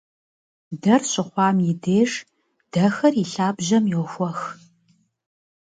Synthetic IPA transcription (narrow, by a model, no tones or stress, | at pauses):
dɐrɕɪχʷɑːmjɪdeːʂ | d̥ɐxɐriɬaːbʑɐmjoxʷɔx